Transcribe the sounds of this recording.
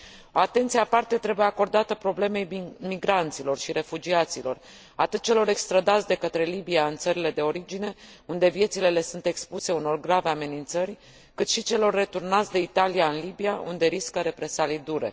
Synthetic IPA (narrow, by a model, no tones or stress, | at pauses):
o̞at̪e̞nt̪sieapart̪e̞t̪ɾe̞buje̞ako̞rd̪at̪əpɾo̞ble̞me̞jmiɡɾant̪silo̞rʃiɾe̞fud͡ʒiat̪silo̞̰r | a̰t̪ɨt̪̚t͡ʃe̞lo̞ɾe̞kst̪ɾad̪at̪sʲd̪e̞kət̪ɾe̞libiaɨnt̪səɾile̞d̪e̞o̞ɾid͡ʒine̞und̪e̞vje̞t̪sile̞le̞sunt̪e̞kspuse̞uno̞rɡɾave̞ame̞nint̪sərʲ | kɨt̪ʃit͡ʃe̞lo̞rːe̞t̪urnat̪sʲd̪e̞it̪alijaɨnlibijaṵnd̪e̞ɾiskəɾe̞pɾe̞salid̪uɾe̞̰